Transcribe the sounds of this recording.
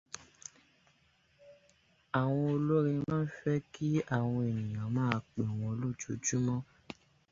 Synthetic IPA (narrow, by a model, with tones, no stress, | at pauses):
a˨w̃ɔ̃˧o˧lo˦ɾĩ˧mãː˦fɛ˦ki˦a˦˨w̃ɔ̃˧e˨nĩ˨jã˨mãː˦a˧k͡pe˨w̃ɔ̃˧o˧lo˦˨t͡ʃo˨˦d͡ʒu˦mɔ̃˦